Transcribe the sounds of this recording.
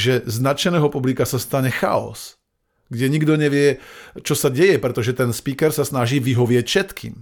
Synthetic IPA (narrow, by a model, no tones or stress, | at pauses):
ʒɛznat͡ʃɛnɛːɦɔpublikasast̪aɲɛxa̰ɔ̰s | ɡɟɛɲiɡd̪ɔɲɛʋɪɛt͡ʃɔsaɟɛjɛpɾɛt̪ɔʒɛt̪ɛnspiːkɛɾsasnaʒiːʋiɦɔʋɪɛcfʃɛt̪kʰḭːm